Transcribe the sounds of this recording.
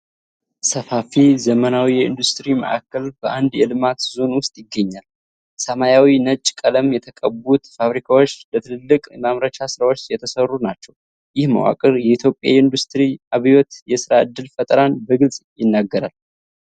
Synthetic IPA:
səfafizəmənawijɛɨ̰nd̪ust̪ʼɨɾimə̰ʔakːəlbəʔand̪jɛlɨmat̪zo̞nwʊst̪ʼjɪɡːəɲːal | səmajawinət͡ʃʼːkʼələmjɛt̪ʰəkʼəbut̪faβɾikʰawo̞t͡ʃːlət̪ʰɨnɨlːɨkʼmaβɾət͡ʃasɨɾawo̞t͡ʃːjɛt̪ʰəsərːunat͡ʃːɛw | jɪhma̰wa̰kʼɨɾjɛʔit̪ʰjopʼja̰jɨnd̪ust̪ʼɨɾiʔaβijo̞t̪jɛsɨɾaʔɨd̪ːɨlfət̪ʼəɾanbəɡɨlsʼjɪnːaɡːəɾal

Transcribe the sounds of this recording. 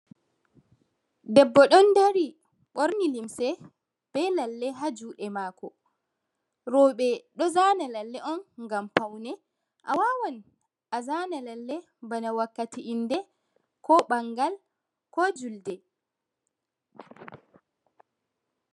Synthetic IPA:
dɛbːɔɗɔndaɾi | ɓoɾnilimsɛ | b̥ɛlalːɛɦad͡ʒuːɗɛmaːkɔ | ɾɔɓɛɗɔzaːnalalːɛʔɔnŋɡampawnɛ | ʔa̰wawɔn | ʔazanalalːɛ | banawakːatiʔindɛ | kɔɓaŋɡal | kɔd͡ʒuldɛ

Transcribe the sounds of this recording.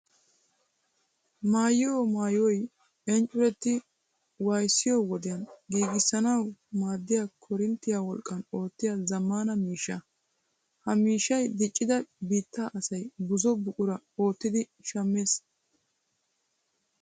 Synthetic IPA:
maːjɪoːmaːjɔj | ɛnt͡ʃʼːʊɾɛt̪ːɪ | wɐjsːɪjɔwɔd̪ɪjɐnɡiːɡɪsːɐnɐwmaːd̪ːɪjaːkʰɔɾɪnt̪ːɪjaːwɔlkʼːɐno̞ːt̪ːɪjazɐmːaːnɐmiːʃːɐ | hɐmiːʃːɐjd̪ɪt͡ʃʼːɪd̪ɐbiːt̪ːaʔɐsɐjbʊzɔbʊkʼʊɾɐo̞ːt̪ːɪd̪ɪ | ʃɐmːeːs

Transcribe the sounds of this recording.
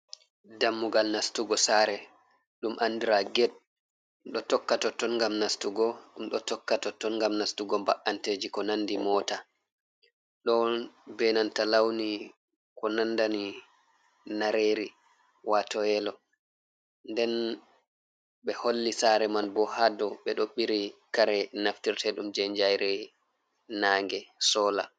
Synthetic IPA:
damːuɡalnastuɡɔsaːɾɛ | ɗumʔandiɾaɡɛɗ̚ | ɗɔtɔkːatɔtɔnŋɡamnastuɡɔɗumɗɔtɔkːatɔtɔnŋɡamnastuɡɔmbaʔanteːd͡ʒikɔnandimɔːta | ɗɔbɛnantalawni | kɔnandani | naɾeːɾi | watɔɛlɔ | ndɛn | ɓɛholːisaɾɛmanbɔhadɔɓɛɗoɓːiɾikaɾɛnaftiɾtɛɗumd͡ʒɛɲd͡ʒajɾɛ | naːŋɡɛsɔːla

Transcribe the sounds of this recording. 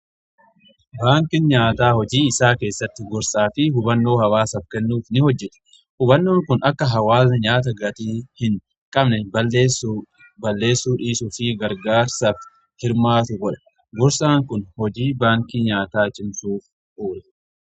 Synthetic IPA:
baːŋkɪnɲaːt̪aːhɔd͡ʒiːɪsaːke̞ːsːɐt̪ːɪɡɔɾsaːfɪhʊbɐnːo̞ːhɐwaːsɐfkɛnːuːfnɪhɔd͡ʒːɛt̪ʊ̥ | hʊbɐnːo̞ːŋkʊnɐkːɐɦɐwaːsnɐɲaːt̪̬ɐɡɐt̪iːhɪŋ | kʼɐbnɛb | bɐlːe̞ːsːuːᶑiːsʊfɪɡɐɾɡaːɾsɐf | hɪɾmaːt̪ʊɡɔᶑɐ̥ | ɡɔɾsaːŋkʊnhɔd͡ʒiːbaːŋkiɲaːt̪aːt͡ʃʼɪmsuːf | uːɾɛ

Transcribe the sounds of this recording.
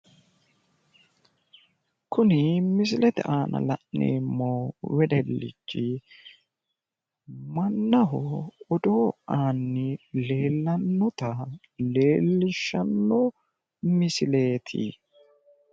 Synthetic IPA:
kʊnɪmɪs̬ɪlɛt̪ɛ̰ʔaːnɐ̰lɐ̰ʔnḛːmːoːwɛd̪ɛlːɪ̰t͡ʃːɪ | mɐnːɐɦɔɔd̪oːaːnːɪle̞ːlːɐnːɔt̪ɐ | le̞ːlːɪʃːɐnːɔ | mɪsɪle̞ːt̪ʰɪ̰

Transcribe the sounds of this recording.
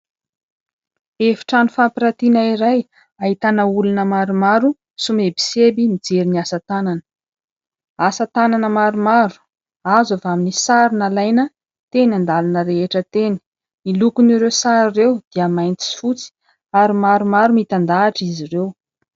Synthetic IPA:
efi̥ʈ͡ʂanufampiɾat̪inaiɾaj | aɦit̪anəulunəmaɾumaɾu | sumebi̥sebimid͡zeɾiniasat̪ananə̥ | asat̪ananəmaɾumaɾu̥ | azavaminisaɾinalajnə | t̪enand̪alanəɾeɦeʈ͡ʂət̪eni̥ | milukuniɾesaɾirewd̪̥iəmajnt̪i̥si̥fut͡si̥ | aɾimaɾumaɾumit̪and̪aːʈ͡ʂizirew

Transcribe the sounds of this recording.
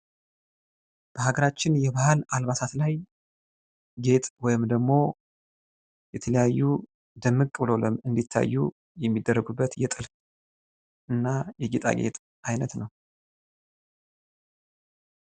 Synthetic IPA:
b̥əhaɡəɾat͡ʃːɪnjɛβahɨlalβat̪ʰat̪laj | ɡe̞t̪ʼwɔjɪmd̪əɡmo̞ | jɛt̪ʰələjajːu | d̪əmːɨkʼːlo̞ləmɨnd̪it̪ʰːa̰jːu | jɛmːid̪ːərːəɡubːət̪jɛt̪ʼɨl | ʔɨnːajɛɡet̪ʼa̰ɡe̞̰t̪ʼ | ajnət̪nəw

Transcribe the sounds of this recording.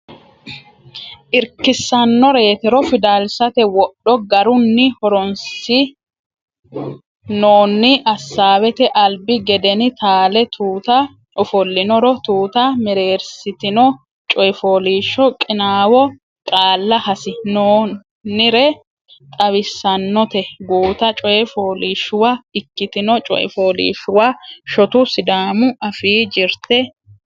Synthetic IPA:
ʔɪɾkːɪsːɐnːɔɾe̞ːt̪ɛɾɔfɪd̪aːlsɐt̪ɛwɔɗːɔɡɐɾʊnːɪhɔɾɔnsɪ | noːnːɪʔɐsːaːwɛt̪ɛʔɐlbɪɡɛd̪ɛnɪt̪aːlɛt̪ʰuːt̪ɐ | ɔfɔlːɪnɔɾɔt̪uːt̪ɐmɛɾe̞ːɾsɪt̪ɪnɔ | t͡ʃʼɔjɛfoːliːʃːɔkʼɪnaːwɔ | kʼaːlːɐhɐsɪnoː | nːɪɾɛ | t̪ʼɐwɪsːɐnːɔt̪ɛɡuːt̪ɐt͡ʃʼɔjɛfoːliːʃːʊwaɪkːɪt̪ɪnɔt͡ʃʼɔ̰ʔɛ̰foːlḭːʃːʊwaːʃɔt̪ʊsɪd̪aːmʊʔɐfiːd͡ʒɪɾt̪ɛ

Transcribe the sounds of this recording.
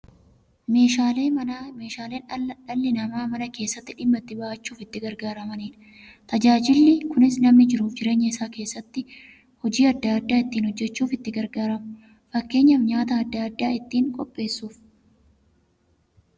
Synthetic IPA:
meːʃaːleːɐme̞ːʃaːleːnᶑɐlːɪnɐmaːmɐnɐke̞ːsːɐt̪ːɪᶑɪmːɐt̪ːɪbɐʔɐt͡ʃːuːfɪt̪ːɪɡɐɾɡaːɾɐmɐniːn | t̪ɐd͡ʒaːd͡ʒɪlːɪkʊnɪsnɐmnɪd͡ʒɪɾuːfd͡ʒɪɾe̞ːɲːɐɪsaːke̞ːsːɐt̪ːɪ | hɔd͡ʒiːɐd̪ːaːd̪ːaːɪt̪ːiːnhɔd͡ʒːɛt͡ʃːuːfɪt̪ːɪɡɐɾɡaːɾɐmʊ | fɐkːe̞ːɲːɐfɲaːt̪ɐːd̪ːaːd̪ːaːɪt̪ːiːŋkʼɔ̰pʼːe̞ːsːuːf

